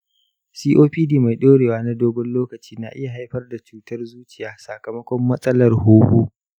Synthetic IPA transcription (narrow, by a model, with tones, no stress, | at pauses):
siː˦ʔoː˦ɸiː˦diː˦ma˨jɗoː˦ɽeː˨waː˦na˦doː˦ɡʷɔ˦nloː˦kɐ˨t͡ʃiː˦na˨ʔɪ˦ja˨ɦa˦jɸɐ˦rda˨t͡ʃuː˨tɐ˦rzuː˦t͡ʃɪ˨jaː˦sa˨kɐ˨mɐ˦kʷɔ˦mːɐ˦sʼɐ˦lɐ˨rhuː˦huː˦